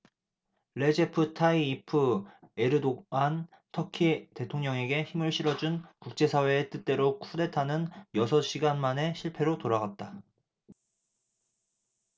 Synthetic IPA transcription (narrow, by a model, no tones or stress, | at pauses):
ɭe̞d͡ʑepʰɯtʰaiːpʰɯe̞ɾɯdoan | tʰʌkʰite̞tʰoŋɲʌŋe̞ɡe̞çimɯɭɕʰiɾʌd͡ʑunkuk̚t͡ɕ͈e̞sʰawe̞ːt͈ɯt͈e̞ɾokʰude̞tʰanɯnjʌsʰʌɕ͈ʰiɡanmane̞ɕʰiɭpʰe̞ɾotoɾaɡat̚t͈a